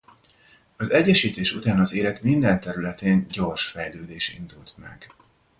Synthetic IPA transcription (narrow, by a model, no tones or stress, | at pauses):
ɒzɛɟːɛʃiːt̪eːʃut̪aːnɒzeːlɛt̪mind̪ɛnt̪ɛɾylɛt̪eːɲɟo̞rʃfɛjløːd̪eːʃḭnd̪ult̪mɛ̰ɡ̥